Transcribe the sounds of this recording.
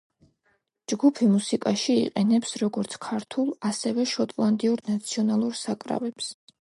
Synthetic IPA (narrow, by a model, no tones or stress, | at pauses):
d͡ʒɡupʰimusikʼaʃḭːqʼɛnɛpsɾɔɡɔɾt̪sʰkʰaɾt̪ʰulˠasɛvɛʃɔt̪ʼlˠand̪iuɾnat̪sʰiɔnalˠuɾsakʼɾa̰vɛps